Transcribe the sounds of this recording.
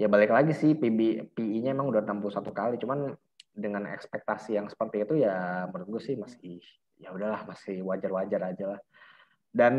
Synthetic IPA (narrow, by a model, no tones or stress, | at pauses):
jabalɪklaɡisɪhpibipiiɲaemaŋudanampulusat̪ukalit͡ʃuman | dəŋanɛ̰kspɛk̚t̪asijaŋsə̥pərt̪iːt̪ujamuɾɪt̪̚ɡusɪhmasɪh | jaudahlahmasɪhwad͡ʒarwad͡ʒaɾad͡ʒalah | dan